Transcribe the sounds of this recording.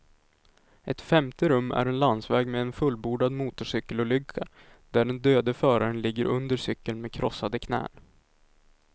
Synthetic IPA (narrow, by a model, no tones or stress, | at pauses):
ʔɛt̪fɛmt̪əɾɵmːæ̰ɾɛnland̪svɛːɡmɛɛnfɵlbuːɖad̪muːt̪ʊʂʏkːəlɔlʏkʰːa | d̪̥æɖɛnd̪øːd̪əfœːɾaɾənlɪɡːəɾʔɵnd̪əʂʏkːəlmekʰɾʔɔsːad̪əkʰnɛ̰ːn